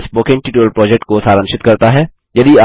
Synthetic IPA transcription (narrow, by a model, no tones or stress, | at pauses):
spoːkɪ̃ŋʈiːʈuːəlpɾɔːd͡ʒek̚ʈ̚kosaːɾə̃mʃɪt̪kɐɾt̪aɦɛ | jɐd̪ia